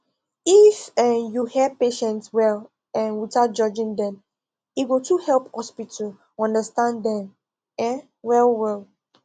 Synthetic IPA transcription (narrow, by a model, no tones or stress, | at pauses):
ifɛ̃juhɛpeʃɛ̃ntswɛl | ɛ̃nwitat̚d͡ʒɔd͡ʒĩŋdɛ̃m | iɡotuhɛlˠphɔspitʰəl | ɔ̃ndəstãndɛ̃m | ɛ̃ | wɛlwɛl